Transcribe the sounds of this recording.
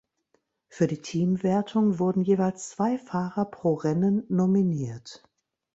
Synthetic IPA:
fyːɐdiːtʰiːmveɐtʰʊŋvʊɐdn̩jeːvaɪlst͡sv̥aɪfaːʁɐpʁ̥oːʁɛnənːominiːɐt

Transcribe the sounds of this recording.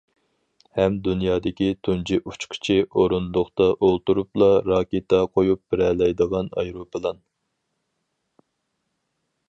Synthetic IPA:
hɛmd̪unjɑːd̪ɪkʲit̪ʰund͡ʒiʔut͡ʃqʰɪ̥t͡ʃʰɪʔoɾunlˠʊχt̪ɑʔolˠt̪uɾuplˠɑɾɑːkʲet̪ɑqʰojup̚b̥ɪɾɛlɛjd̪əʁɑnɑ̰jɾopɨlˠɑn

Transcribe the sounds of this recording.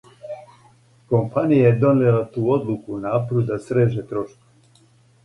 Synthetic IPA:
ko̞mpanijajed̪o̞nelat̪uːo̞d̪lukunaːpɾud̪d̪asɾeʒet̪ɾo̞ʃkoe

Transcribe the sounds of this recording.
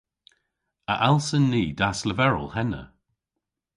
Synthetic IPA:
əʔalˠsənːiːdasləvɛɹə̰lˠhɛnə̰

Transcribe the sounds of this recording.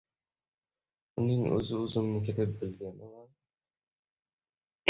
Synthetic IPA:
ʊnɪŋɵ̰zɪɵzɪmnɪkʲʰet̪ɪp̚bɪlɡʲenɪwan

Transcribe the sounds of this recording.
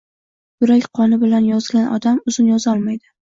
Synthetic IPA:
bʊɾakʲqʰɒnɪbɪlanjɒzɡʲanɒ̰d̪amʊzɪnjɒzɒlˠmajd̪ɪ

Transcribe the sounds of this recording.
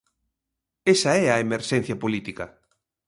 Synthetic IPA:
esɐɛɐemeɾʃɛn̟θjɐpolit̪ikɐ

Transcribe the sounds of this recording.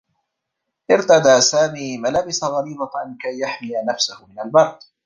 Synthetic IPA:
ʔɪɾt̪ad̪aːsaːmiːmalabɪsaɣɑɾiːbaʕankajːaħmɪjanafsahʊmɪnalbɑɾˤd̪

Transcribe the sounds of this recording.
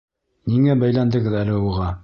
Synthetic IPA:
niŋæbæjlænd̪ɘ̆ɡɘðælɘuʁɑ

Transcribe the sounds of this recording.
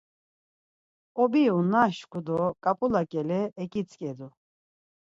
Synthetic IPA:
ɔbiunaʃkʰʼud̪ɔkʼapʼulakʼɛlɛːkʼit͡sʼkʼɛd̪u

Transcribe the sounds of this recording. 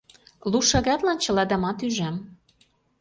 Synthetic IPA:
luʃɑɣɑt̪lɑnt͡ɕɤ̆lɑd̪ɑmɑt̪yʒæm

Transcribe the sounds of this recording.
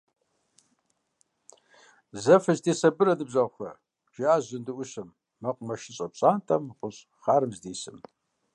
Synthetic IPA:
zɐfɐʒdeːsɐbɨɾɐdɨbzɐʁxʷɐ̰ | ʒ̥ɪaːʑɨndɨʔʷʊɕɐmː | ɐqʷʼmɐʃɪɕʼɐpɕʼaːntʰʼɐmqʷʼʊɕ | χaːɾɨmzdeːsɨm

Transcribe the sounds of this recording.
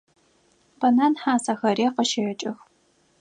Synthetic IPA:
b̥ɐnaːnħaːsaxɐɾeːqəʃɐjɐt͡ʃʼɪx

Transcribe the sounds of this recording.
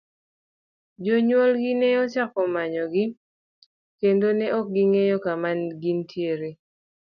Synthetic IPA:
d͡ʒɔɲwɔlɡɪnɛɔt͡ʃakɔmaɲɔɡɪ | kendonɛʔɔk̚ɡiŋejɔkamanɡintjeɾe

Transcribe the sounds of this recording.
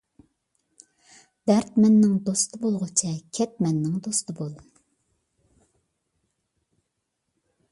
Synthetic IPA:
d̪̥æɾt̪mɛnːɪŋd̪ost̪ʰɨbolˠʁʊt͡ʃʰɛkʲʰɛt̪̚mɛnːɪŋd̪ost̪ɨbolˠ

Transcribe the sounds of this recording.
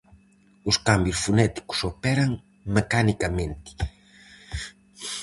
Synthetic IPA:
uskambjusfunɛt̪i̥ku̥sopɛɾɐŋ | mekanikɐmẽnt̪i̥

